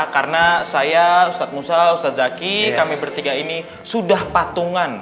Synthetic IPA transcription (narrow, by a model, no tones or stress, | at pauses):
karənasajausat̪̚musausat̪̚d͡ʒakikamibərt̪iɡaini | sudahpat̪uŋan